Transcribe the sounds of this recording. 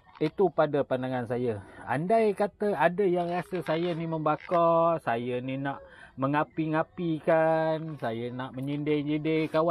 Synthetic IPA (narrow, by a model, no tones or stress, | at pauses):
it̪upadəpandaŋansajəa̰ndajkat̪əadəjaŋrasəsajəniməmbakɔsajəninaʔməŋapiŋapikansajənaʔməɲindɪŋd͡ʒidɪkawa